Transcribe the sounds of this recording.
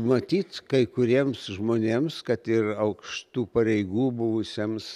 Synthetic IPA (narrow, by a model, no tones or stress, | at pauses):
mɐt̪ʲiːt̪kɐɪkʊɾʲiɛmsʒmoːnʲeːmskɐt̪ɪrɐʊkʃt̪uːpɐɾʲɛɪɡuːbʊʋʊsʲeɛms